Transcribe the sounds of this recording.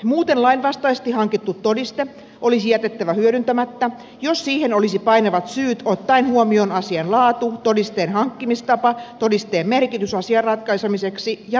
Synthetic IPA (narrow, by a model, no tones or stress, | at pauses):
muːt̪enlɑinʋɑst̪ɑist̪ihɑŋkit̪ːut̪todist̪e | ʔolisijæt̪et̪ːæʋæhyøɾynt̪æmæt̪ːæ | jossiːhenolisipɑineʋɑt̪syːt̪ot̪ːɑinhuomionɑsiɑnlɑːt̪ut̪odist̪eːnhɑŋkːimist̪ɑpɑt̪odist̪eːmmerkit̪ysɑsiɑrrɑt̪kɑisemiseksijɑ